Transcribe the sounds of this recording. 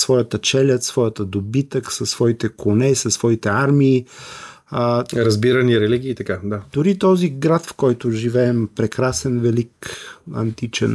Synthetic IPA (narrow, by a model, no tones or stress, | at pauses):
svɔjət̪ət͡ʃɛlʲət̪svɔjət̪əd̪obit̪əksəsv̥ɔit̪ɛkonɛisɐsvɔit̪ɛaɾmiː | ɾɐzbiɾəniɾɛliɡʲiːt̪ɐkad̪ad̪ʊɾit̪ɔziɡɾat̪fkɔjt̪ʊʒivɛːmpɾɛkɾasɛnvɛlikɐ̰nt̪it͡ʃɛ̰n